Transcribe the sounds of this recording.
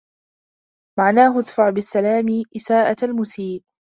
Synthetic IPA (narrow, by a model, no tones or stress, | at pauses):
maʕnaːɦʊaðfaʕbɪsːalaːmɪʔɪsaːʔaalmʊsiːl